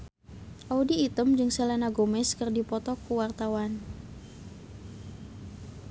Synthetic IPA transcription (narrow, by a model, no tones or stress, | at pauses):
ʔaudiːt̪əmd͡ʒɨŋselanaɡomɛskɨrdipɔt̪ɔkuwart̪awan